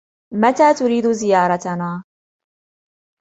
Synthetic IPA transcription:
mat̪aːt̪ʊɾiːd̪ʊzɪjɑːɾˤɑt̪anaː

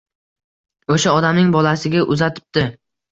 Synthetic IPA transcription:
oʃaɒd̪amnɪŋbɒlasɪɡʲaʔʊzat̪ʰɪ̥p̚t̪ɪ

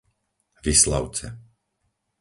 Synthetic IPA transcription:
ʋisla̰ʊt͡sɛ̰

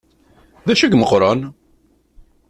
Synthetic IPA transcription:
ðæʃæɡməqːɾˤɑn

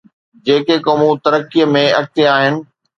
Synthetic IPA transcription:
d͡ʑeːkekoːmũt̪ɐɾəkːijəmẽɐk̚t̪iaːɦɪnɪ̆

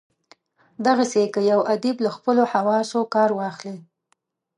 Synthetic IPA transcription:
d̪aɣasekəjawʔad̪iblaxpəlohawɑsokɑɾwɑxli

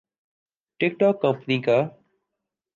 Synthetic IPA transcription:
ʈɪk̚ʈɔːkːə̃mpniːkaː

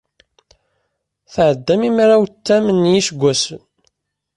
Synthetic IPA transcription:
θʕəd̪ːæmimɾawt̪ːæmənːjiʃəɡʷːæsən

